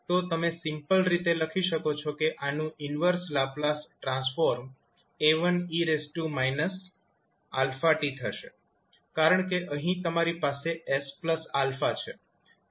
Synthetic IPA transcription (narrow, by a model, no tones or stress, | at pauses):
t̪ot̪əmesɪmpəlɾit̪eləkʰiʃəkot͡ʃʰokeʔanũʔinʋəɾslaplasʈɾãnsfoɾm | eʋəniɾesʈumainəs | alfaʈit̪ʰəʃḛ | kaɾəɳ̃keʔəɦĩt̪əmaɾipaseespləsalfat͡ʃʰe